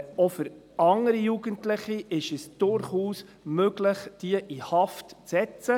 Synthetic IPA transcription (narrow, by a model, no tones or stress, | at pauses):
ɔfʏɾ | ɑŋəɾijuɡəntlɪχiʔɪʃɛsd̥ʊɾχuːs | møɡləχd̥iəʔihɑftt͡sɛt͡sə